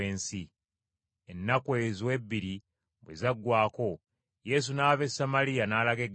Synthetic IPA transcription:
eːnsi | enːakwe̞ːzwe̞bːiɾi | βwḛzaɡːwaːko̞ | je̞ːs̬unaːve̞samalijanaːlaɡe̞ɡ

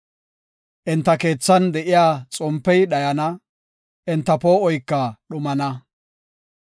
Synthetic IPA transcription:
ʔɪnt̪ːɐke̞ːt͡sːɐnd̪ɛʔɪjaːt͡sʼɔmpːɛjɗɐjɐnɐ | ʔɪnt̪ːɐpo̞ːʔɔjkːɐɗʊmɐnɐ

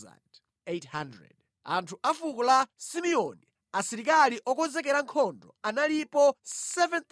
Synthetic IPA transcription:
a̰nd | ethandɹɛ̰d | antʰuafukɔlasimiɔni | asiɾikaliʔɔkɔnzɛk̬ɛɾaŋkʰɔndɔ̰analipɔsɛvɛnt̪

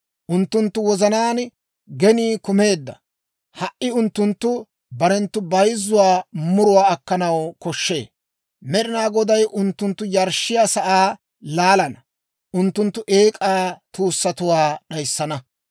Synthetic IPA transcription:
ʔʊnt̪ːʊnt̪ːʊwɔzɐnaːn | ɡɛniːkʊme̞ːd̪ːɐ̰ | hɐʔːɪʊnt̪ːʊnt̪ːʊ | bɐɾɛnt̪ːʊbɐjzːʊwaːmʊɾʊwaːɐkːɐnɐwkɔʃːe̞̰ː | mɛɗɪnaːɡɔd̪ɐjʔʊnt̪ːʊnt̪ːʊjɐɾʃːɪjaːsɐʔaː | laːlɐnɐ | ʔʊnt̪ːʊnt̪ːʊʔe̞ːkʼaːt̪uːsːɐt̪ʊwaːɗɐjsːɐnɐ

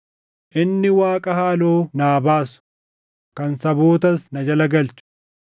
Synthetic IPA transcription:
ʔɪnːɪwaːkʼɐhaːloːnaːbaːsʊ̥ | kɐnsɐboːt̪ɐsnɐd͡ʒɐlɐɡɐlt͡ʃʊ̥

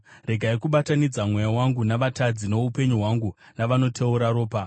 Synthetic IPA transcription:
re̞ɡʱaikuɓatanid͡zamwe̞jawaŋɡunaʋatad͡zino̞upe̞ɲuɦwaŋɡu | naʋano̞tʰe̞uɾaɾoːpa

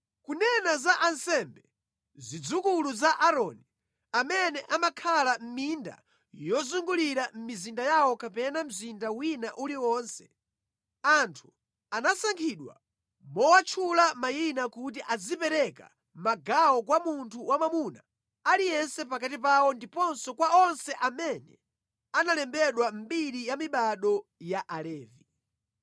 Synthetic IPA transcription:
kunɛnazaʔansɛmbɛ | zid͡zukuluzaʔaɾɔni | amɛnɛʔamakʰalam̩minda̰ | jɔzuŋɡuliɾam̩mizindajawɔkapɛnam̩zindawinaʔuliwɔːnsɛ̥ | antʰu̥ | anasaŋkʰiɗwa̰ | mɔwat͡ʃʰulamajinakut̬iʔad͡zipɛɾɛka̰ | maɡawɔk̬wamuntʰuwamamuna̰ | alijɛnsɛpakatipawɔndipɔnsɔkwaɔnsɛʔamɛnɛ | analɛmbɛɗwam̩ɓiɾijamiɓaɗɔjaʔalɛːvi

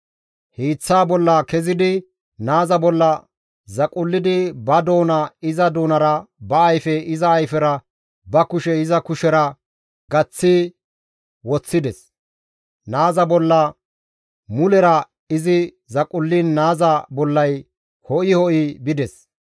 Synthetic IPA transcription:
hiːt͡sːaːbɔlːɐkɛzɪd̪ɪ | naːzɐbɔlːɐ | zɐkʼʊlːɪd̪ɪbɐd̪o̞ːnɐɪzɐd̪oːnɐɾɐbɐːjfɛɪzɐːjfɛɾɐ | bɐkʊʃɛɪzɐkʊʃɛɾɐ | ɡɐt͡sːɪ | wɔt͡sːɪd̪ɛs | naːzɐbɔlːɐ | mʊlɛɾɐ | ɪzɪ | zɐkʼʊlːiːnːaːzɐbɔlːɐj | hɔʔɪhɔʔibɪd̪ɛs

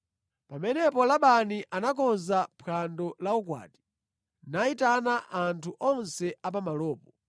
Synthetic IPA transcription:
pamɛnɛpɔlaɓaniʔanak̬ɔnzapʰandɔlauk̬wa̰ːti̥ | naitanaʔantʰuʔɔnsɛʔap̬amalɔːpɔ

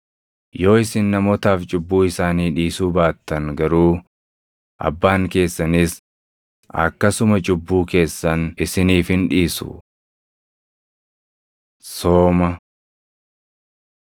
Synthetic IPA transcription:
jo̞ːɪsɪnːɐmɔːt̪aːft͡ʃʼʊbːuːɪsaːniːᶑiːsuːbaːt̪ːɐŋɡɐɾuː | ʔɐ̰bːaːŋke̞ːsːɐnɪs | ɐ̰kːɐsʊmɐt͡ʃʼʊbːuːke̞ːsːɐnɪsɪniːfhɪnᶑiːsṵ | soːmɐ

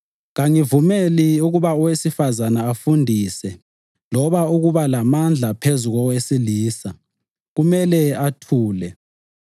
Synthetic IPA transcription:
ɣaŋivumeliuɣuβaɔwesifazanaːfundʱisɛ | lɔβauɣuβalamand͡ɮʱapʰezuɣɔwesiliːsa | ɣumɛlɛatʰuːlɛ

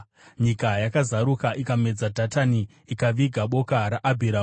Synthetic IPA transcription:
ɲikajakazaɾukaʔikame̞d͡zadʱataniː | kaʋiɡʱaɓo̞kaɾaʔabʱiɾa

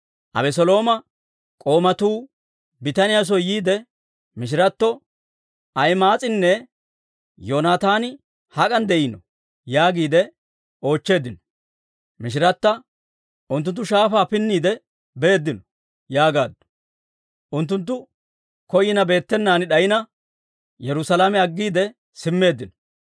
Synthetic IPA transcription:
ʔɐ̰bɛs̬ɔlo̞ːmɐ | kʼo̞ːmɐt̪uː | bɪt̪ɐnɪjas̬ɔjiːd̪ɛ | mɪʃ̬ɪɾɐt̪ːɔ | ɐjmaːt͡sʼɪnːɛ | joːnaːt̪aːnɪ | hɐkʼɐnd̪ɛʔɪnɔ̰ | jaːɡiːd̪ɛ | o̞ːt͡ʃːe̞ːd̪ɪnɔ̥ | mɪʃ̬ɪɾɐt̪ːɐ | ʔʊnt̪ːʊnt̪ːʊʃaːfaːpɪnːiːd̪ɛ | be̞ːd̪ːɪnɔ̥ | jaːɡaːd̪ːʊ̥ | ʔʊnt̪̬ːʊnt̪̬ːʊ | kɔjɪnɐbe̞ːt̪ːɛnːaːnɪɗɐjɪnɐ | jɛɾʊsɐlamɛɐɡːiːd̪ɛ | sɪmːe̞ːd̪ːɪnɔ

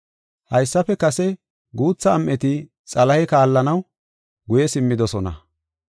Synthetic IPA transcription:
hɐjsːɐpɛkɐsɛ | ɡuːt͡sːɐːmʔɛt̪ɪ | t͡sʼɐlɐhɛkaːlːɐnɐw | ɡʊjɛsɪmːɪd̪ɔsɔnɐ̰

